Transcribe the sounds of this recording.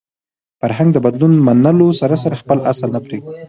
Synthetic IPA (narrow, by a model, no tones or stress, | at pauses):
faɾɦaŋɡ̚d̪əbad̪lunmanəlosaɾas̬aɾaxpəlʔasəlnapɾeɡ̚i